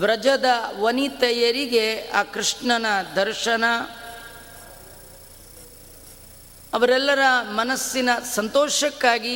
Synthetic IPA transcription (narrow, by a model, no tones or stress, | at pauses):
ʋɾɐd͡ʒɐd̪ɐʋɐnit̪ɐjɐɾiɡeaːkɾɨʂɳɐnɐd̪ʱɐɾʃɐnɐ | ɐʋɐɾɛlːɐɾɐmɐnɐsːinɐsɐnt̪ɔːʃɐkːaːɡi